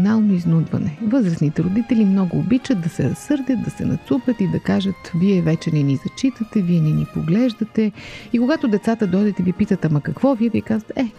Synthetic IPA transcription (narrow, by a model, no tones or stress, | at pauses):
nalˠnoiznud̪vɐ̰nɛvɤzɾəsnit̪ɛɾod̪it̪ɛlimnɔɡʊːbit͡ʃət̪̚d̪ɐsɛɾɐsɤɾd̪ʲət̪̚d̪ɐsɛ̰nɐ̰t̪supʲət̪id̪ɐkaʒət̪viɛvɛt͡ʃɛnɛnizɐt͡ʃit̪ət̪ɛviɛnɛnipoɡlɛʒd̪ɐt̪ɛikoɡat̪od̪ɛt̪sat̪əd̪ɔd̪ɛt̪ɛvipit̪ət̪amɐkɐkvɔviɛvikazət̪ɛɛ